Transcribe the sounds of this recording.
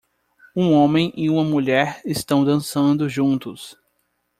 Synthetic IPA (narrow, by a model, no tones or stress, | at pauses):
ũõmẽj̃ʔɪũmɐmuʎɛɾɪst̪ɐ̃w̃d̪ɐ̃sɐ̃nd̪ʊʒũnt̪ʊs